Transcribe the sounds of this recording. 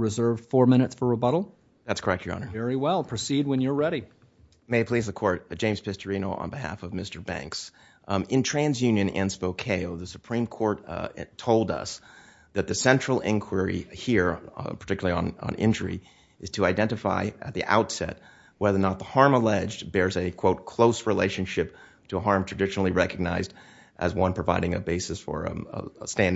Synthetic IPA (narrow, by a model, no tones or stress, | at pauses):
ɹɨzɜ˞v̥fɔɹmɪ̃ñɨtsfə˞əbʌɾl̩ˠ | ðætskʰə˞ɛk̚t͡ʃʰjə˞ɑ̰̃nə˞ɛɹiwɛlˠpʰɹ̥ɨsid̚wɨ̃njə˞ɹɛɾi | meɪpʰl̥izðɨkʰɔɹt̚ʒ̥ẽɪ̃mz̥pʰɪstə˞ĩñoʊʔə̰̃nbɨɦæ̰fʌvmɪstə˞bæ̰̃ŋks | ɪ̃ntʰɹ̥æ̃nzjʉ̃njɨ̃nɨ̃nspoʊkʰeɪoʊðɨsɨ̥pʰɹ̥ĩmkʰɔɹttʰoʊlˠdʌ̰s | ðɨt̪̚ðɨsɛ̃nt͡ʃɹ̥l̩ˠɪ̰̃nkʰw̥ə˞ḭhiɹpʰə˞tʰɪkjl̩ˠiə̃nə̰̃nɪ̰̃nd͡ʒə˞ḭ | ʔɨz̥tʰɨaɪdɛ̃ntɨfa̰ɪʔɨ̰t̪̚ðiʔa̰ʊtsɛ̰t̚ | wɛðə˞nət̪̚ðəhɑɹməlɛd͡ʒbɛɹzɨkʰw̥oʊt̚kʰl̥oʊsɹileɪʃɨ̃nʃɪp̚ | tʰɨəɦɑɹmtʰɹ̥ɨdɪʃnl̩ˠiɹɛkɨɡ̚naɪzd | ʔɨzwʌ̃npʰɹ̥ɨvaɪɾɪ̃ŋɨ̰beɪsɨsfə̰˞stæ̃n